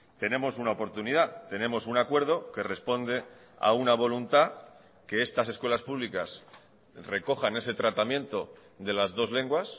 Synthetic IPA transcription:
t̪e̞nẽ̞mo̞sunaopo̞ɾt̪uniðat̪e̞nẽ̞mo̞sunakwe̞ɾðo̞ke̞re̞spo̞nd̪e̞ | a̰unaβ̞o̞lunt̪a | ke̞e̞st̪ase̞skwe̞laspuβlikas | re̞ko̞xane̞se̞t̪ɾat̪amjẽ̞nt̪o̞ | ðe̞lazðo̞zle̞ŋɡwas

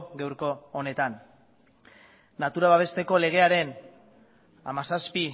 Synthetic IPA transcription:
ɣewɾko̞ːne̞t̪an | at̪uɾaβaβ̞e̞st̪e̞ko̞le̞ɣ̞e̞aɾe̞n | a̰masaspi

